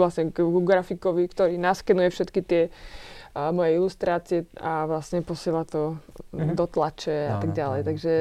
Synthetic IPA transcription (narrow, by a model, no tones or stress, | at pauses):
lasɲɛɡuɡɾafikɔʋikt̪ɔɾiːnaskɛnujɛfʃɛt̪kit̪ɪɛ | mɔjɛilust̪ɾaːt͡siɛaʋlasɲɛpɔsɪɛlat̪ɔd̪ɔt̪lat͡ʃɛat̪aɡɟalɛjt̪aɡʒɛ